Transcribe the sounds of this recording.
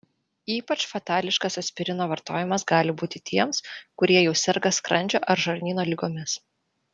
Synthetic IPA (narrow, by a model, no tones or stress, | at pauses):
iːpɐt͡ʃfɐt̪ɑːlʲɪʃkɐsɐt̪sʲpʲɪɾʲɪnoːʋɐɾt̪oːjɪmɐsɡɑːlʲɪbuːt̪ʲɪt̪ʲʰiɛmskʊɾʲiɛjɛʊsʲɛɾɡɐskɾɐnʲd͡ʒʲoːʔɐɾʒɐɾʲnʲiːnoːlʲɪɡoːmʲɪs